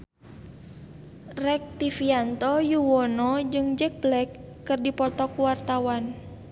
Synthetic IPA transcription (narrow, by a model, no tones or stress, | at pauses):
rɛk̚t̪ifiant̪ɔjuwɔnɔd͡ʒɨŋd͡ʒɛk̚blɛkː | ɨrdipɔt̪ɔkuwart̪awan